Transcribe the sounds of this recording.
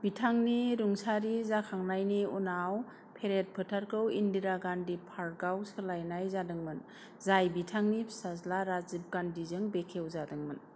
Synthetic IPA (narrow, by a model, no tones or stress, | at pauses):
bitʰaŋniɾuŋsaɾizakʰaŋnajniunaw | pʰeɾet̚pʰɯtʰaɾkʰɯwindiɾaɡandipʰaɾɡawsɯlajnajzadɯŋmɯn | zajbitʰaŋnisazlaɾazip̚ɡandizɯŋbekʰewzadɯŋmɯn